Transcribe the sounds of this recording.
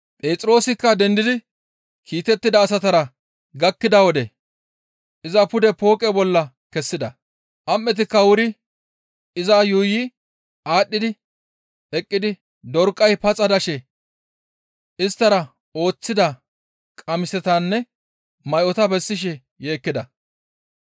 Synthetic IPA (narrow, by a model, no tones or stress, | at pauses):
pʼeːt͡sʼɪɾo̞ːsɪkːɐd̪ɛnd̪ɪd̪ɪ | kʰiːt̪ɛt̪ːɪd̪ɐːs̬ɐt̪ɐɾɐ | ɡɐkːɪd̪ɐwɔd̪ɛ | ʔɪzɐpʊd̪ɛpo̞ːkʼɛbɔlːɐ | kɛsːɪd̪ɐ | ʔɐmːɛt̪̬ɪkːɐwʊɾɪ | ɪzɐjuːji | ʔaːɗːɪd̪ɪ | ɛkʼːɪd̪ɪ | d̪ɔɾkʼːɐjpɐt͡sʼɐd̪ɐʃɛ | ɪst̪ːɐɾɐ | o̞ːt͡sːɪd̪ɐ | kʼɐmɪsɛt̪anːɛ | mɐjʔɔt̪ɐbɛsːɪʃ̬ɛ | je̞ːkːɪd̪ɐ